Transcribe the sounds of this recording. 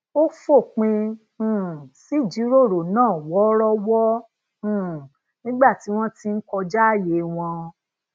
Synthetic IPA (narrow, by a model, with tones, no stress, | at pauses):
o˦fo˦˨k͡pĩ˧˨ | si˦˨d͡ʒi˨˦ɾo˦˨ɾo˨nãː˦˨wɔ˨˦ɾɔ˦wɔ˦ | ũ˦˨ | nĩ˦ɡ͡ba˦˨ti˨˦w̃ɔ̃˦ti˧n̩˦kɔ˧d͡ʒa˦˨je˨˦w̃ɔ̃˧